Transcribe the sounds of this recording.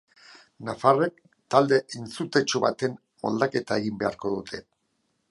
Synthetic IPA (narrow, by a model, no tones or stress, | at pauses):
nafarek̚ | t̪ald̪e̞ʔent͡sut̪e̞t͡ʃuβat̪e̞m | o̰ld̪ake̞t̪ae̞ɣimbe̞a̰ɾko̞ðut̪ʰe̞